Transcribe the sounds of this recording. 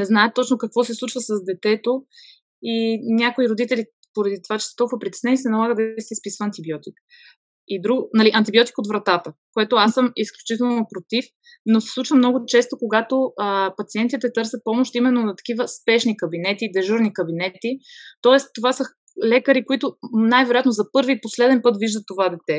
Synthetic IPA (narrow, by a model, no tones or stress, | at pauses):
nɛznaɛt̪ːɔt͡ʃnokɐkvɔsɛslˠut͡ʃvəsɐzd̪ɛt̪ɛt̪o | inʲakoiɾod̪it̪ɛli | poɾɐd̪it̪ovat͡ʃɛ̥st̪ɔlˠkvəpɾit̪ɛ̥snɛnisɛnɐlˠaɣəd̪ɐisɛispisvəɐːnt̪ibiɔt̪ik | id̪ɾuɡnɐliʔɐnt̪ibiɔt̪i̥kot̪vɾɐt̪at̪əkoɛt̪oasːəmisklʲut͡ʃit̪ɛlˠnopɾot̪if | nosɛ̥sˠut͡ʃvəmnɔɡʊt͡ʃɛst̪okoɡat̪oəpɐt̪siɛnt̪it̪ɛt̪ɤɾsʲət̪̚pɔmoʃt̪imɛnːonɐt̪ɐ̥kivəspɛʃnikɐbinɛt̪id̪ɛʒuɾnikɐbinɛt̪it̪ɔɛst̪ːovasə | lɛkəɾikoit̪ʊnajvɛɾojat̪nozɐpɤɾviposlɛd̪ɛnpɤt̪viʒd̪ət̪ːovad̪ɛt̪ɛ